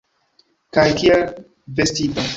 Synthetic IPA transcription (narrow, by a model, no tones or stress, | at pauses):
kajkiel | vestito